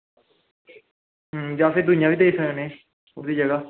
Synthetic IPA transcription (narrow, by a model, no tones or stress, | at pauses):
ɦd͡ʒaːfeːd̪ʊnɪjãːʋiːd̪eisəõːnẽː | ʊd̪iːd͡ʒəɡaː